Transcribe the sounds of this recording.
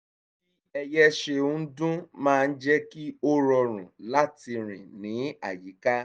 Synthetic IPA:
i˦ɛ˧jɛ˦ʃe˧o˦n̩˦dũ˦mãː˦˧n̩˦d͡ʒɛ˦ki˦o˦ɾɔ˧ɾ̃ũ˨la˦ti˧ɾ̃ḭ̃˨nĩ˨˦a˨ji˨˦ka˦

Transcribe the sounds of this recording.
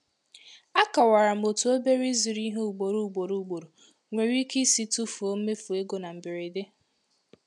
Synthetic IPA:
a˦ka˨wa˨ɾa˨m̩˨o˨tu˨o˦be˦ɾi˦zi˨ɾi˦ɦo˦u˨ɡ͡bo˨ɾu˨u˨ɡ͡bo˨ɾu˨u˨ɡ͡bo˨ɾo˨ | ŋʷe˨ɾi˦ke˦si˦tu˦fu˨o˦m̩˦me˦fu˨e˦ɡo˨na˨m̩˨bɪ˨ɾi˨de˦

